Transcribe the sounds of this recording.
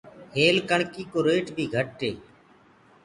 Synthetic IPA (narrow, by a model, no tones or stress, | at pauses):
heːlkəɳkiːkoːɾeːʈbʱiːɡʱəʈ̚ːeː